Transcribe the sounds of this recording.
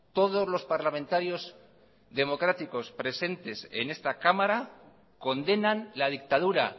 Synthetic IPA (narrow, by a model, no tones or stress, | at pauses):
t̪o̞ðo̞zlo̞spaɾlamẽnt̪aɾjo̞z | ðe̞mo̞kɾat̪iko̞spɾe̞se̞nt̪e̞sḛne̞st̪akamaɾa | ko̞nd̪e̞nanlað̞ik̚t̪aðuɾa̰